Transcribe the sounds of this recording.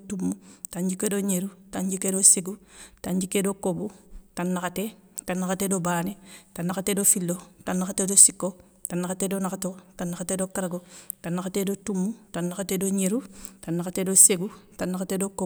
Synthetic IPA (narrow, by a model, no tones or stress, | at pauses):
tumːutaɲd͡ʒikedoɲeɾutaɲd͡ʒikːedoseɡutaɲd͡ʒikːedokobutanːakatetanːakatedobanetanːakatedofilːotanːaxatedosikːo | tanːakatedonakatotanːaxatedokaɾɡotanːakatedotumːutanːakatedoɲeɾutanːakatedoseɡutanːakatedoko